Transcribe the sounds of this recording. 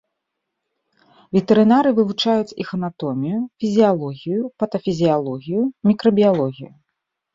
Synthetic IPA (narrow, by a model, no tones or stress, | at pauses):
vʲɛt̪ɛɾɨnaɾɨvɨvut͡ʂajut͡sʲḭxɐnat̪ɔmʲijufʲizʲijalˠɔɣʲijupɐt̪ɐfʲizʲijalˠɔɣʲijumʲikɾɐbʲijalˠɔɣʲḭju